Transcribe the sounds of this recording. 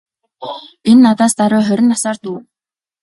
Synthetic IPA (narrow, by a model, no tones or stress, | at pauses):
enːat̪aːst̪aɾʊːχœɾʲɪ̆nːasaːrt̪uː